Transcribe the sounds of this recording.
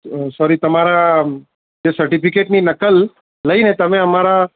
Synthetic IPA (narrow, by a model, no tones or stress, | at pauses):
sɔɾit̪əmaɾa | d͡ʒesəɾʈipikeʈninəkəlː | əinet̪əmẽəmaɾa